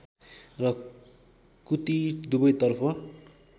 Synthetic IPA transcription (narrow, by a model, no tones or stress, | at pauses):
rʌ | kut̪id̪ubʌjt̪ʌrpʰʌ